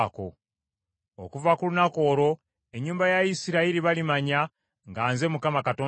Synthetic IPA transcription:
ko̞̰ | o̰kuvakulunako̞ːɾo̞ | e̞ɲːuːmbajaisiɾaiɾiβalimaɲa | ŋɡaːnze̞mukamakato̞ː

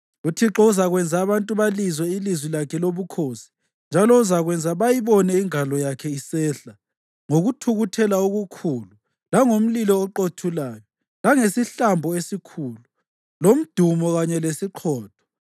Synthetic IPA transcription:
utʰiǁɔuzaɣwɛnd͡zʱaːβantʼuβalizwɛilizwilakʰɛloβukʰosi̥ | nd͡ʒʱalɔuzaɣwɛnd͡zʱaβajiβɔnɛiŋalɔjakʰɛisɛːɬa | ŋoɣutʰuɣutʰɛlaoɣukʰuːlu | laŋom̩lilɔːǃotʰulaːjɔ | laŋesiɬambʱɔesikʰuːlu | lom̩d̥ʱumɔɣaɲɛlesiǃʰɔːd̥ʱɔ̥

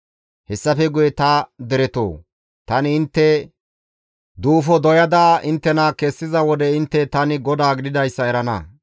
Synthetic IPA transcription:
hɛsːɐfɛɡʊjɛt̪ɐd̪ɛɾɛt̪o̰ː | t̪ɐnɪːnt̪ːɛ | d̪uːfɔd̪ɔjɐd̪aʔɪnt̪ːɛnɐkɛsːɪzɐwɔd̪ɛɪnt̪ːɛt̪ɐnɪɡɔd̪aːɡɪd̪ɪd̪ɐjsːɐɛɾɐnɐ̰

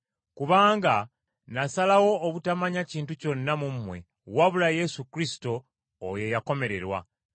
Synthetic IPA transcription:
kuβaːŋɡa | nasalawo̞ːβutamaɲaciːntuco̞nːamumːwe̞̰ | waβulaje̞sukɾisi̥to̞ː | je̞jako̞me̞ɾe̞ɾwa̰

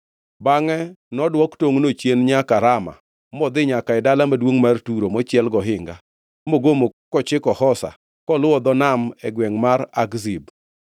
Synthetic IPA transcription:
baŋɛnɔdwɔktoŋnot͡ʃenɲakaɾama̰ | mɔd̪ɪɲakaɪdalamadwoŋmartuɾomɔt͡ʃjɛlɡɔɦɪŋɡa | moɡomokɔt͡ʃɪkɔhɔsa̰ | kɔlʊɔd̪ɔnamɛɡwɛŋmaɾaɡzib

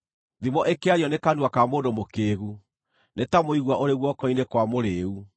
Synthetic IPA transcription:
ðimɔʔekeaɾjɔnekanuakamoːndomokeːɣu | netamoiɣwaʔoɾeɣwɔkɔinekwamoɾeu

